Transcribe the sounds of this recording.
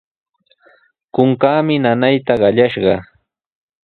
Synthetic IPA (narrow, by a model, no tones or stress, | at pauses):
kʊŋkaːmɪnanajt̪aɢɑʎaʃɢɑ